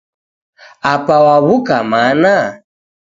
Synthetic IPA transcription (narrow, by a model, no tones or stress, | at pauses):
apawaβukamana